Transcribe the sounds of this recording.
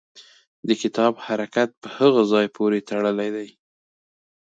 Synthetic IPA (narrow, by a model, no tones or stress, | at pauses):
d̪əkɪt̪ɑbhaɾakat̪̚pəhəɣazɑjpʰoɾet̪aɽəlajd̪aj